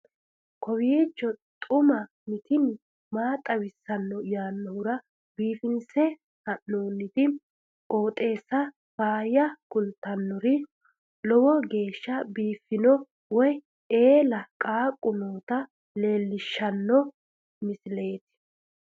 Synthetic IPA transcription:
kʰɔwiːt͡ʃːɔt̪ʼʊmɐ | mɪt̪ɪn | maːt̪ʼɐwɪsːɐnːɔjaːnːɔhʊɾɐ | biːfɪnsɛ | hɐnːoːnːɪt̪ɪ | oːt̪ʼe̞ːsːɐ | faːjɐkʊlt̪ɐnːɔɾɪ | lɔwɔɡe̞ːʃːɐbiːfːɪnɔ | wɔj | eːlɐkʼaːkʼːʊnoːt̪ɐ | le̞ːlːɪʃːɐnːɔ | mɪsɪle̞ːt̪ɪ̥

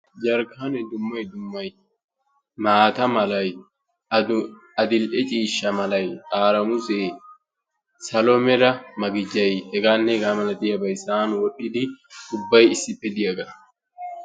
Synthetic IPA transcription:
d͡ʒɐɾɡanɛd̪ʊmːɐjd̪ʊmːɐj | maːt̪ɐmɐlɐj | ɐd̪ɪlʔɛt͡ʃʼiːʃːɐmɐlɐjkʼaːɾɐmʊseː | sɐlɔmɛɾɐmɐɡɪd͡ʒɐjɛɡaːnːeɡaːmɐlɐd̪ɪjɐbɐjsaːnwɔᶑɪd̪ɪd̪ʊbːɐjɪsɪpːɛd̪ɪjɐɡɐ̥

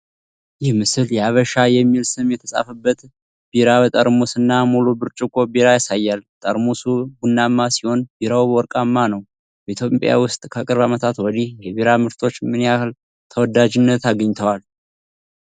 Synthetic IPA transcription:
jɪhmɨsɨljɛaβəʃajɛmːilsɨmjɛt̪ʰəsʼa̰fəbːət̪ | b̥iɾaβət̪ʼəɾmosɨnːamulubɨɾt͡ʃʼukʼobiɾajasajːalt̪ʼəɾmosuɡunːamːasiho̞nbiɾawbwɔɾkʼamːanəw | bəit̪ʰjo̞pʼja̰wʊst̪ʼkʰəkʼɨɾβamət̪ʰat̪wɔnihjɛβiɾamɨɾt̪ʰo̞t͡ʃːmɨniahl | t̪ʰəwɔd̪ad͡ʒɪnːət̪aɡəɲːt̪ʰəwal

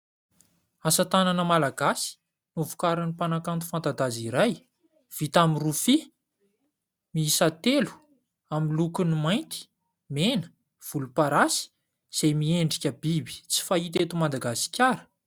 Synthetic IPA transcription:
asət̪ananəmalaɡasi̥ | nuvu̥kaɾanipanakant̪u̥fant̪ad̪aziɾaj | v̥it̪amirufi | miisat̪elu̥ | amilukunimajnt̪i̥ | menə̥ | v̥ulupaɾasi̥ | z̥ejmieɳɖ͡ʐikʲəbibi̥t͡si̥fait̪et̪umad̪aɡasi̥kʲaɾə̥

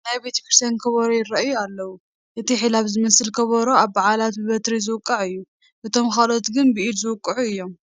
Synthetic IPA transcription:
najbet̪ʰkiɾsankʰɐβɐɾojɪɾɐʔjualːɐwu | ʔɨt̪ʰiħilaβzɨmɐsɨlkʰɐβɐɾoaβːaʕalat̪bɨβɐt̪ɾizɨwɨkʼːɐʕɨjːu | ʔɨt̪ʰo̞mxalo̞t̪ɡɨnbɨʔid̪zɨwʊkʼːɨʕuɨjːo̞m

